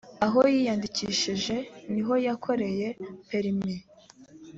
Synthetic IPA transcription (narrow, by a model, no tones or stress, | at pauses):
aɦo̞jijandiciʃiʒe̞niɦo̞jakʰo̞ɾe̞je̞peɾimi